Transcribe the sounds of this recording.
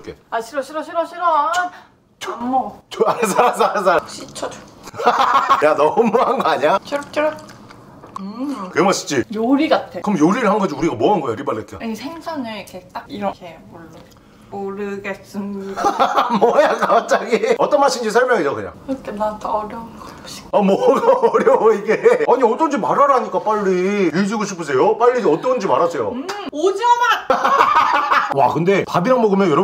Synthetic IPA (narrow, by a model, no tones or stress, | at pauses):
k͈ʰeaɕʰiɾʌɕʰiɾʌɕʰiɾʌɕʰiɾʌ | t͡ɕomot͡ɕoasʰaɾasɾasʰaɾaɕʰit͡ɕʰʌd͡ʑo̥ | janʌmumuanɡʌaɲiat͡ɕʌɾt͡ɕ͈ʌɾ | ɯkɯemaɕʰi̥t͡ɕijoɾiɡatʰekɯɾʌmjoɾiɾɯɭhanɡʌd͡ʑiuɾiɡamwʌɦanɡʌjoɾibalːetʰo̰isʰeŋsʰanɯɭikʰet͈akiɾʌkʰe | oɭːɯ | oɾɯɡes͈ɯm | mʌjakak̚t͡ɕ͈aɡiʌt͈ʌnmaɕʰind͡ʑisʰaɭmjʌŋisokɯɲa̰ŋɾʌtʰenatʰʌɾjʌnɡʌ | ɕi̥amwʌɡːɾjʌiɡeaɲiʌt͈ʌnd͡ʑimaɾaɾaɲik͈ap͈aɭːiiɭd͡ʑuɡoɕʰipʰɯsʰe̞jop͈aʎːid͡ʑʌt͈ʌnd͡ʑimaɾasʰe̞jo̰ | od͡ʑʌn | wa̰kɯnde̞pabiɾaŋbʌɡɯmjʌnjʌɾʌ